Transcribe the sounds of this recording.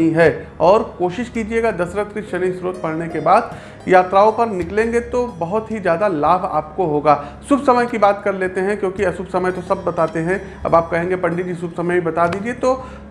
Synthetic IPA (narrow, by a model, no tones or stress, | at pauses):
iɦɛːɔːɾkoːʃɪʃkiːd͡ʒieːɡad̪ɐsɾət̪ɾiʃɐnĩsɾoːt̪̚pɐɽnekebaːd̪ | jaːt̪ɾaːõpɐɾnɪklẽːŋɡet̪obɐɦʊt̪ɦid͡ʒjaːd̪alaːbʱa̰ːpkoɦoːɡaːsʊbʱsɐməjkibaːt̪kɐɾleːt̪eɦɛ̃kjõːkiɐsʊbsɐməjt̪osɐbːɐt̪aːt̪eɦɛ̃ | ɐ̰baːp̚kɐɦẽːŋɡepɐ̃ɳɖid͡ʒisʊbsɐməjibɐt̪ad̪iːd͡ʒiet̪oː